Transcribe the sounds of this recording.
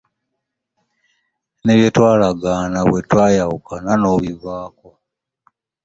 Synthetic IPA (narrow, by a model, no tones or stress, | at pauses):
neβjetwaːlaɡanaβwetwaːjawukananoβivaːko